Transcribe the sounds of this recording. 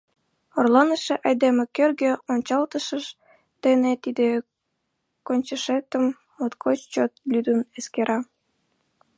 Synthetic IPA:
orlɑnəʃĕʔɑjd̪emekørɣĕonʲt͡ɕɑlt̪əʃəʃ | d̪̥enet̪id̪e | konʲt͡ɕəʃet̪ə̆m | ot̪kʰot͡ɕt͡ɕot̪̚lʲyd̪əneskeɾʔɑ

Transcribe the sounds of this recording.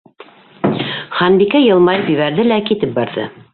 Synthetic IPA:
χɑnbikæjɤ̆lˠmɑjɤpjɵ̆βæɾðɘlækit̪ɘp̚bɑɾðɤ̰

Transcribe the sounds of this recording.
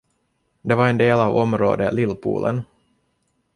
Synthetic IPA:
d̪ɛvɑɾɛnd̪eːlɑːvɔmɾo̰ːd̪əlɪlːpʰṵːlʔə̰n

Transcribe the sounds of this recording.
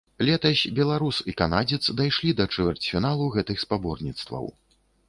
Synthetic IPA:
lʲɛt̪ɐɕʲbʲɛlˠaɾusikanad͡zʲit̪sd̪ajʂlʲid̪ɐt͡ʂvʲɛrt͡sʲfʲinalˠuɣɛt̪ɨxspabɔrnʲit̪st̪vɐ̰w

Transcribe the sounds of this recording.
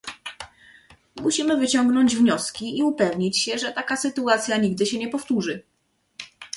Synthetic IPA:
muɕimɘvɘt͡ɕɔŋɡnɔɲd͡ʑvɲɔskʲiiupɛvɲit͡ɕɕɛʐɛt̪akasɘt̪uat̪sʲjaɲiɡd̪ɘɕɛɲɛpɔft̪uʐɘ

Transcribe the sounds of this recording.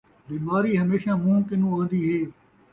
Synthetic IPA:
biːmaːɾiːɦɐmeːʃãːmʊ̃mkɪnũːə̃ːnd̪iːɦeː

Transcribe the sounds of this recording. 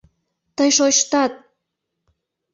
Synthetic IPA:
t̪əjʃojʃt̪ɑt̪̚

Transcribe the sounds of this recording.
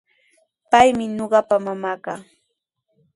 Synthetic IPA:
pajmɪɲoɢɑpamamaːkaː

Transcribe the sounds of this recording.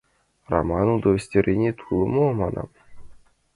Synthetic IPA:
ro̰mɑnud̪ovʲsʲtʲerʲʔinʲet̪ʰulˠɤ̆mɤmɑnɑ̰

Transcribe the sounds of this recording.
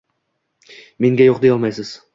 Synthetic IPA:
me̞ŋɡʲajoqd̪ejɒlˠmajsɪz̥

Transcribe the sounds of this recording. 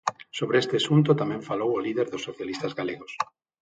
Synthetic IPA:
soβɾest̪easunt̪̬ot̪amẽɱfalowoliðeɾðosːoθjalist̪azɣaleɣos

